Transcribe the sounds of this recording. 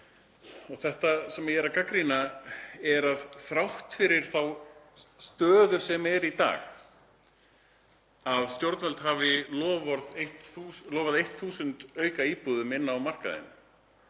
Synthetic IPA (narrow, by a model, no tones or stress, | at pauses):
ɔɣθɛht̪asɛmɛjɛːɾakakɾinaɛɾaðθɾawht̪fɪɾɪɾ̥θaw | st̪œːðʏ̥sɛmɛɾit̪a̰ːx | aðst̪jowɾt̪nvɛlt̪ɦavɪlɔːvɔɾðejht̪uːslɔːvaðejht̪θuːsʏnt̪œːɥkaiːpuðʏmɪnːawmar̥ka̰ðɪ̰n